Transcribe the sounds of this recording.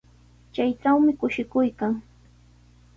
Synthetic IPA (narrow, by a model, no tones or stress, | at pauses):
t͡ʃajʈ͡ʂawmɪkʊʃɪkʊjkaŋ